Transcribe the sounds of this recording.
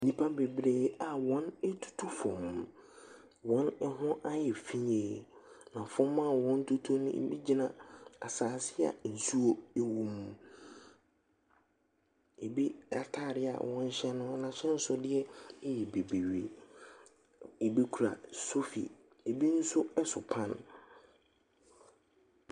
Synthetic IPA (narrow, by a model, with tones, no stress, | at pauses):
nĩ˦pʰa˦be˨bɾeː˦a˨wɔ̃˦ne˦tʰu̥˦tʰu˦fɔ̃˨m˨ | wɔ̃˨˦nɛ˦ɦʊ̃˦ʔa˦jɛ˨fĩ˦ɲ˦eː˨nã˨fʊ̃˦mːã˦˨wɔ̃˦n˦tʰu˦tʰu˦nʊ̰̃˦ḛ˨bi˦d͡ʑi˦nã˨a˨saː˨sɪ˦a̰˨n̩˨su˦o˦e˨wũ˨m˨ | e˨bi˦a˨tʰaː˦˨ɾɪ˦a̰˨wɔ̃˦n̩˦ɕɛ˦nʊ̃˦nã˨ɕɛ˦n̩˦sʊ˦dɪ˦ɛ˦ɛ˦jɛ˨be˨be˨ɥe˨ | e˨bi˦kʰu˨ɾa̰˨so˦fḭ˨ | e˨bi˦n̩˦sʊ˦ɛ˦sʊ̰˨pʰã˦n˨